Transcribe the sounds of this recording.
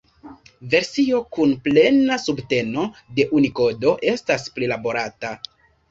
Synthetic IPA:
ve̞ɾsio̞kunple̞nasubte̞no̞de̞ʔuniko̞do̞ʔe̞stasplilabo̞ɾata

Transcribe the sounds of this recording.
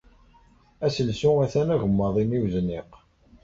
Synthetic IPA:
æsəlsuæθænæʝəmːəðˤimiwznːiq

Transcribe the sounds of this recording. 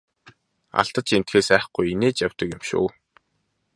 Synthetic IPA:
a̰ɬt̪ə̆t͡ɕen̥t̪xeːsæːχɡ̥ujineːt͡ɕjawt̪ə̆kjʊ̆mʃṵː

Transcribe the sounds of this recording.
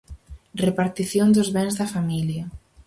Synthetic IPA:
repaɾt̪iθjond̪ʊzβɛŋzðɐfamiljɐ

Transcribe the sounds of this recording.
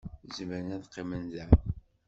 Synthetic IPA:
zməɾənæðqːimənzæ

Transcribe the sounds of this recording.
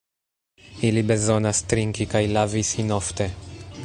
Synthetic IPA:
ilibe̞zonast̪ɾiŋkikajlavisinoft̪e̞

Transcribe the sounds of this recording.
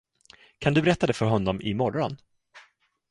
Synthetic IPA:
kʰand̪ɵbɛɾɛt̪ːad̪ɛfœɾɦɔnːɔmʔɪmɔrːɔn

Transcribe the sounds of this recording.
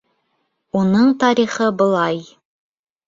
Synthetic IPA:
unɤɴt̪ɑɾiχɤbɤ̆lˠɑj

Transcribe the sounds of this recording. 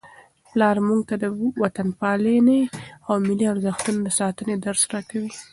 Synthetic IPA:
plɑɾmuɡ̚t̪ad̪əwat̪anpɑleneawmɪliaɾzəxt̪unod̪əsɑt̪əned̪aɾsɾakawi

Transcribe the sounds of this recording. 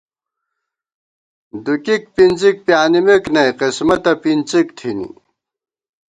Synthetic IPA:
d̪ukik̚pint͡sik̚pjaːnimeknɐjqismɐt̪ɐpint͡sikt̪ʰinḭ

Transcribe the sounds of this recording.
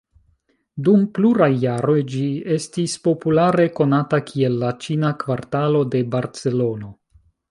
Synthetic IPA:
dumpluɾajːaɾo̞jd͡ʒie̞stispo̞pulaɾe̞ko̞natakʰie̞lːat͡ʃinakvaɾtalo̞de̞baɾt͡se̞lo̞no̞

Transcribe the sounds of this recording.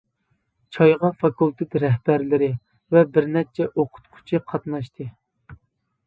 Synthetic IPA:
t͡ʃʰɑjʁɑfɑkulˠt̪ʰɪt̪ɾɛɦb̥æɾlɪɾɪ | vɛbɪɾnɛt͡ʃʰɛʔoqʰʊ̥t̪qʰʊ̥t͡ʃʰiqʰɑt̪nɑʃt̪ʰɨ

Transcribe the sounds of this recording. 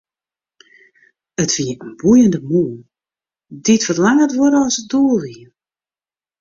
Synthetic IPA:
ətfiəənbujəndəmun | ditfərlaŋətʋoɾəɔsət̚doəlˠʋi

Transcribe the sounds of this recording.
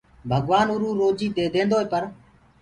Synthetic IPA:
bʱəɡʋaːnʊɾuːɾoːd͡ʒiːd̪eːd̪ẽːnd̪oːɦeːpəɾ

